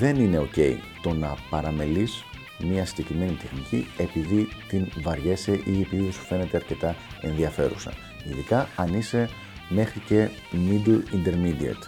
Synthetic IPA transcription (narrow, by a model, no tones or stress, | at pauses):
ðe̞nine̞o̞ce̞ḭt̪o̞nɐpɐɾɐme̞lis | miɐsiɟe̞kɾime̞nit̪e̞xnicḭe̞piðit̪invɐɾʝe̞se̞ʔiepiðiesu̥fe̞net̪e̞ɐɾce̞t̪ɐe̞nðiɐfe̞ɾṵsɐ̰ | iðikɐɐnise̞ | me̞xɾice̞ | mid̪uind̪e̞ɾmid̪iɐ̰t̪